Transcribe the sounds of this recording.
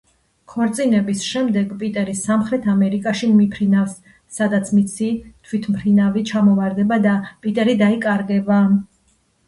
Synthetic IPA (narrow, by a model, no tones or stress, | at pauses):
kʰɔɾt̪sʼinɛbisʃɛmd̪ɛɡpʼit̪ʼɛɾisamχɾɛt̪ʰamɛɾikʼaʃimipʰɾinafsː | ad̪at̪sʰmit̪sʰit̪ʰwit̪ʰmpʰɾinavit͡ʃʰamɔvaɾd̪ɛbad̪apʼit̪ʼɛɾid̪aikʼaɾɡɛba